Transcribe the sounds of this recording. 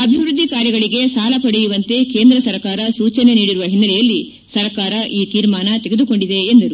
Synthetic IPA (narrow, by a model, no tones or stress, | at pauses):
ɐbʱiʋɾud̪ːikaːɾjɐɡɐɭiɡe̞saːlɐpɐɽejuʋɐnt̪e̞ke̞ːnd̪ɾɐsɐɾkaːɾɐsuːt͡ʃɐne̞niːɽiɾuʋɐɦinːɐlɛjɐlːi | sɐɾɐkaːɾɐʔiːt̪iːɾmaːnɐt̪eɡe̞d̪uko̞ɳɖid̪e̞ːnd̪ɐɾu